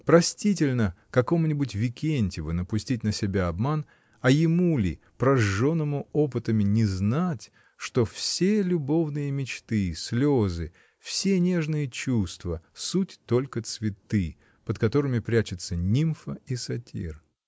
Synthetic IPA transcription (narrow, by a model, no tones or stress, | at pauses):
pɾɐsʲtʲit̬ʲɪlʲnəkɐko̞mnʲɪbʊt̬ʲvʲɪkʲenʲtʲɪvɨnəpʊsʲtʲit̚ʲnəsʲɪbʲaɐbman | ɐjɪmulʲɪ̰ | pɾɐʐːo̞nːəmʊo̞pɨt̪əmʲɪnʲɪznatʲ | ʂt̪o̞fsʲelʲʊbo̞vnɨjəmʲɪt͡ɕt̪ɨsʲlʲozɨ | fsʲe̞nʲe̞ʐnɨjət͡ɕust̪vəsutʲt̪o̞lʲkət̪svʲɪt̪ɨ | pət̪kɐt̪o̞ɾɨmʲɪpɾʲæt͡ɕɪt̪sənʲimfəisɐtʲʰḭr